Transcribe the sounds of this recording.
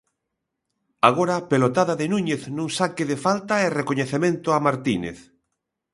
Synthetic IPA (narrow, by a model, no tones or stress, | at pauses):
aɣ̞oɾapelot̪aðaðenũɲeθnũŋsakeðefalt̪aerekoɲeθemẽnt̪ʊamaɾt̪inḛθ